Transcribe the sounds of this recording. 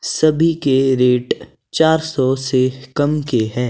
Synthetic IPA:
sɐbʱikeɾeːʈ | t͡ʃaːɾsɔsekɐmkeɦɛː

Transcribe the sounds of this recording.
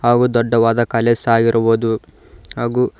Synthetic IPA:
ɦaːɡuːd̪ɔɖːɐʋaːd̪ɐkɐleːsaːɡiɾɐboːd̪u | ɦaːɡuː

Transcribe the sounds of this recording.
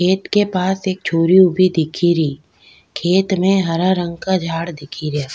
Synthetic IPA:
kʰeːt̪kepaːseːk̚t͡ʃʰoːɾiʊbʱid̪ɪkʰiɾiː | kʰeːt̪mẽɦɐɾaɾə̃ŋɡkad͡ʒʱaːɽd̪ɪkʰiɾaː

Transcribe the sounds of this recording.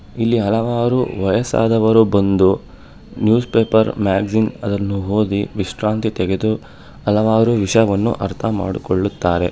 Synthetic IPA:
ilːiɦɐlɐʋaːɾuʋɐjɐsa̰ːd̪ɐʋɐɾubɐnd̪u | njuːspeːpɐɾmaːɡzinɐd̪ɐnːuɦoːd̪iʋiʂɾaːnt̪it̪ɛɡe̞d̪u | ɐlɐʋaːɾuʋiʂɐjɐʋɐnːṵʔɐɾt̪ʰɐma̰ːɽikoɭːut̪ːaːɾe̞

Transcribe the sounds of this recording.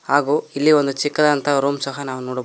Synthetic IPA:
haːɡuːilːiond̪ut͡ʃikːɐd̪ɐnt̪ɐɾuːmsɐɦɐnaːʋunoːɽ

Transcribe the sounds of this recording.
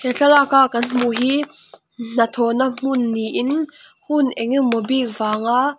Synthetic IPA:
hɛɬɐlakakɐnm̥uɦiː | n̥ɐt̪ʰɔnam̥unːiʔɪn | hunʔɛŋimɔbik̚vaːŋaʔ

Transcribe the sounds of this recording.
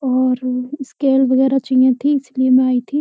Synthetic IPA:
ɔːɾskeːlʋɐɣɛːɾat͡ʃĩjãt̪ʰiɪsliemẽaːit̪ʰi

